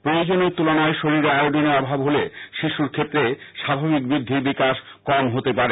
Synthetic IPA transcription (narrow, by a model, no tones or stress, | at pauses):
pɾojod͡ʑoneɾt̪ulonaeʃoɾiɾaoɖʱoneɔbʱabɦoleʃiʃuɾkʰet̪ːɾeʃabʱabik̚bɾid̪ʱːiɾbikaʃ | kɔmɦot̪epaɾe